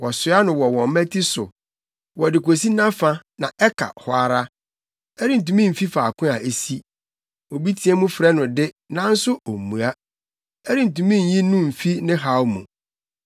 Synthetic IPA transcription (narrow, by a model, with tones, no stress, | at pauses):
wɔ˨sʊ˨˦a˦nʊ̃˨wɔ˨wɔ̃˨m˦mɛ̃˦tʰi˦sʊ̰˨ | wɔ˨dɪ˨ko˨si˦nã˦fã˦nã˨ʔɛ˦kʰa̰˨hɔ˨˦a˨ɾa˦ | ɛ˦ɾɪ˦n̩˨tũ˨mĩ˦m̩˨fi˦faː˨kʰʊ̃˦a˨ʔe˦si˦ | o˨bi˦tʰi˨ɛ˦mũ˦fɾɛ˦nʊ̃˨dɪ˦ | nã˦n̩˦sʊ˦o˨mːũ˨a˦ | ɛ˦ɾi˦n̩˨tũ˨mĩ˦˨˦jĩ˦nũ˦m̩˨fi˦nɪ̃˦ɦa˦wmṵ̃˨